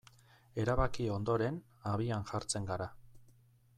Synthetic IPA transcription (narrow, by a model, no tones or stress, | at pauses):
e̞ɾaβakio̞nd̪o̞ɾe̞n | aβianʝaɾt͡se̞ŋɡaɾa